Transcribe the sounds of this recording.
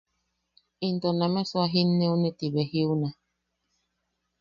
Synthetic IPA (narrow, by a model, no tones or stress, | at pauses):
intɔnamɛswaɦinːeunetibɛhiuna